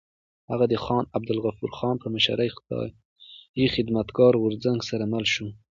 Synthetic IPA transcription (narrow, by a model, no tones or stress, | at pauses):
haɣad̪əxɑnab̚d̪ɪlɣafuɾxɑnpəməʃa̰ɾajxt̪ɑ̰j | jixɪd̪mat̪ɡɑɾwʊɾzaŋɡsaɾamalʃu